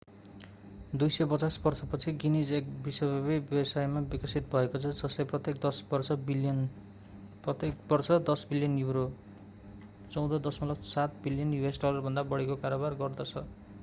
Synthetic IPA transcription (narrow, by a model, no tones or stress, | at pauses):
d̪ujsʌjpʌt͡sasbʌrsʰʌpʌt͡sʰiɡinid͡zek̚biswʌbabibjʌbʌsajmabikʌsit̪̚bʱʌekot͡sʰʌd͡zʌsleprʌt̪jek̚d̪ʌsbʌrsʌbiljʌn | pʌt̪ekbʌrsʰʌd̪ʌsbiljʌnjuɾo | t͡sʌw̃d̪ʌd̪ʌsmalʌksat̪̚biljʌnjuesʈʌlʌrbʱʌnd̪abʌɽekokaɾobarɡʌrd̪ʌt͡sʰʌ